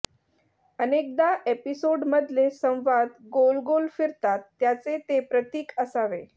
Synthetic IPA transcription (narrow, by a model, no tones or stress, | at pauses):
ənek̚d̪aʔepisoɖməd̪ʱlesə̃w̃ʋad̪ɡolɡolfiɾt̪at̪ːjat͡set̪epɾət̪iːkəsaʋe